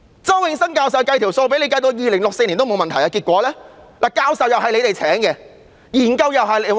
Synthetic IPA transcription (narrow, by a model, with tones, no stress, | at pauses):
t͡sɐ˥wjɪ˨˧ŋsɐ˥ŋkaː˧ws̬ɐ˨wkɐ˧jt̪ʰi˨˩wso˧wpe˨˥le˨˧jka˧t̪o˧wjiː˨lɪ˨˩ŋlʊ˨k̚se˧jliː˨˩nt̪wmo˨˧wmɐ˨nt̪ʰɐ˨˩jaː˧ki˧t̚kʷɔː˨˥lɛː˥laː˨˩kaː˧wsɐ˨wjɐ˨wɦɐ˨le˨˧jt̪e˨jt͡sʰɛː˨˥ŋkɛ˧ | jiː˨˩nkɐ˧wjɐ˨wɦɐ˨˩j